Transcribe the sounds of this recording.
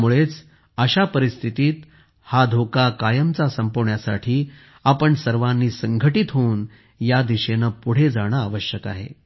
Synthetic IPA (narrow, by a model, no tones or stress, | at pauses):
muɭet͡s | əɕapəɾist̪ʰit̪iːt̪ | had̪ʱokakajəmt͡sasəmpoʋɳjasa̰ʈʰiː | apəɳsəɾʋãnːiːsəŋɡʱəʈit̪ɦouːn | jad̪iɕenəpuɽ̤ed͡zaɽ̃aːʋəɕjəka̰ɦḛ